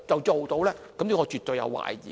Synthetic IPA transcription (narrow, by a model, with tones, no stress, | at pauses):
t͡sɐ˨wt͡so˨wt̪o˧wlɛː˥kɐ˧˥mt̪yː˧˥ŋɔː˧t͡ʃyː˨t̪ɵ˨jɐ̰˨˧wa̰ː˨jjḭː˨